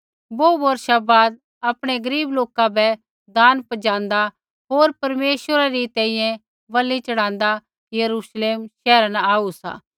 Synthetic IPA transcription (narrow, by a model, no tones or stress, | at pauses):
boːboːɾʃabaːd̪̚ | ɐpɽ̃eɡɐɾiːbloːkãbɛ | d̪aːnpɐd͡ʒãːnd̪a | ɦoːɾpɐɾmeːʃwəɾaɾit̪ɛ̃ːĩjɛ̃ | ʋɐlːit͡ʃɐɽ̃ãːnd̪a | kijɐɾuːʃleːmʃɛːɾanaaːusa̰ː